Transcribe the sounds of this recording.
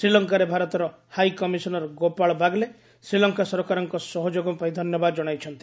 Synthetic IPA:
sɾilɔŋkaɾebʱaɾɔt̪ɔɾɔ | hajkɔmisɔnɔɾɔɡopaɭɔbʱaɡle | sɾilɔŋkasɔɾɔkaɾɔŋkɔsɔɦɔd͡ʒoɡɔpaĩd̪ʱɔnjɔbad̪ɔd͡ʒɔɽ̃ajt͡ʃʰɔnt̪i̥

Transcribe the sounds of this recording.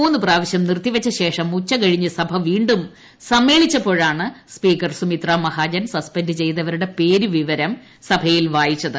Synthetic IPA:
uːnːɨpraːʋɐɕjɐmnirt̪ːiʋɐt͡ɕːɐɕe̞ːʂɐmːut͡ɕːɐkɐɻiɲːɨsɐbʱɐʋiːɳɖum | sɐmːe̞ːɭit͡ɕːɐpo̞ːɻaːɳɨspiːkɐrsumit̪raːmɐhaːd͡ʑɐnsɐspɐndɨt͡ɕe̞jt̪ɐʋɐɾuɽe̞pe̞ːɾuʋiʋɐɾɐm | sɐbʱɐjilʋaːjit͡ɕːɐðɨ

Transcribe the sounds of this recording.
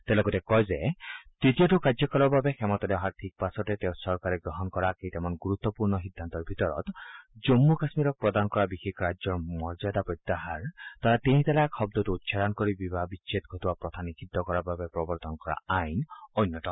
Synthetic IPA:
t̪elɔɡɔtekɔjzet̪it̪iɔtukad͡ʒɔkɔlɔbabexemɔt̪ɔlɛɔɦaɾtʰik̚pasɔt̪et̪ew̃sɔɾkaɾeɡɾɔɦɔnkɔɾakejt̪ɛmɔnɡuɾut̪ːɔpuɾnɔɦid̪ʱːant̪ɔɾbʱit̪ɔɾɔ̰t̪d͡ʒomːukasmiɾɔk̚pɹɔd̪anɔkɔɾabixekʰɾad͡ʒjɔɹmɔɹzajd̪apɔt̪ːaɦaɹt̪aɾat̪eĩt̪ɛlakʰxɔbd̪ɔtuut̪ːʃʰad̪ankɔɾibibabiʃʰet̪ɡʱɔt̪ubapɾɔt̪ʰanikʰid̪ʱːɔkɔɾababepɾɔbɔɾt̪ɔnkɔɾa̰ajnɔjnːɔt̪ɔ

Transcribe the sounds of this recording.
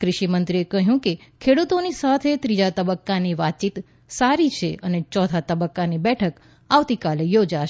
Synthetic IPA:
kɾɪʃimənt̪ɾiekəɦjũkekʰeɽut̪onisat̪ʰet̪ɾid͡ʒat̪əbəkːaniʋat̪̚t͡ʃit̪ | saɾit͡ʃʰeʔənet͡ʃɔt̪ʰat̪əbəkːanibɛʈʰək | aʋt̪ikalejod͡ʒaʃ

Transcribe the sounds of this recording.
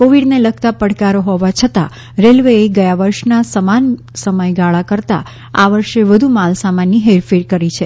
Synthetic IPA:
koʋiɖneləɡ̚t̪apəɽkaɾoɦoʋat͡ʃʰət̪a̰ | ɾelʋeeɡəjaʋəɾʃnasəman | səməjɡaɭakəɾt̪a̰ | aʋəɾʃeʋəd̪ʱumalsamanːiɦeɾfiɾkəɾit͡ʃʰe

